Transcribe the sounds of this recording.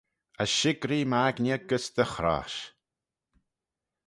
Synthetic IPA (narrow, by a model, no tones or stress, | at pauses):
aʃɪɡɾiːmaɡnʲɛɡəsd̪əxɾa̰ːʃ